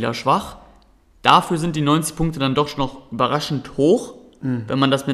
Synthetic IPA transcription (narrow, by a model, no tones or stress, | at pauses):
lɐ̰ʃv̥aχ | d̥afyːɐzɪnt̚d̥iːnɔʏnt͡sɪ̥çpʰʊŋktədandɔχnɔχʔyːbɐʁaʃn̩thoːx | vɛnmandasmɪ